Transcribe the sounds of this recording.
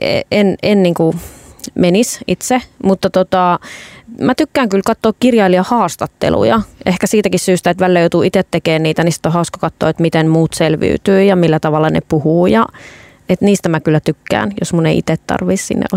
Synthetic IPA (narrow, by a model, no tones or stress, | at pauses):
ḛenenniːŋku | menisʔit̪semut̪ːɑt̪ot̪ɑ | mæt̪ykːæːŋkylkɑt̪ːoːkkirjɑiliɑhɑːst̪ɑt̪ːḛlṵjɑʔehkæsiːt̪ækissyːst̪æet̪ʋælːæjoˑut̪uit̪et̪t̪ekeːnniːt̪ænisi̥t̪ːˑohɑˑuskɑkɑt̪ːo̰ːet̪mit̪enmuːt̪selʋḭːt̪yːjɑmilːæt̪ɑʋɑlːɑnḛpuhuːjɑ | et̪niːst̪æmækylːˑæt̪ykːæ̰ːnjo̰smunḛiʔḭt̪et̪t̪ɑ̰rʋissḭnːḛʔo̰